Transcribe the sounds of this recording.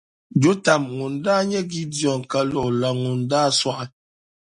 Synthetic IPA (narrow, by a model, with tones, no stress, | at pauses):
d͡ʒo˦ta˨mŋu˨n˨da˦ɲɛ˦ɡi˦djɔ˨ŋ˨ka˦lɔ˨la˨ŋu˨n˨da˦˨swa˦ʔ